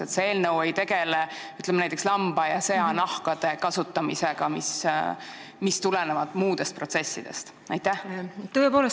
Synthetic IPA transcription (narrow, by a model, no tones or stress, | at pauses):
et̪see̞ːlnɤwejt̪e̞ɡele | yt̪ːˑlemnæjt̪ekslɑmb̥ɑjɑseɑnɑhkɑd̪̥e̞kɑsut̪ːˑɑmise̞ɡ̥ɑmis | mist̪ulenevɑd̪̥muːd̪̥e̞st̪pro̞t̪se̞sːid̪̥e̞̰st̪ | ɑjt̪ːˑæht̪ːɤːepoːles